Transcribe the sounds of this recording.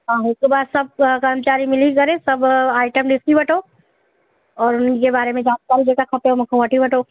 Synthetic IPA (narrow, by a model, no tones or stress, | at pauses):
ɦãːɪskebaːd̪sɐb̚kɐɾmət͡ʃaːɾimɪlikɐɾẽsɐbaːɪʈəmɖɪskibɐʈʰoː | ɔːɾʊnkebaːɾemẽd͡ʒaːnkaːɾid͡ʒekakʰɐpeomɐkʰõʋɐʈʰibɐʈʰoː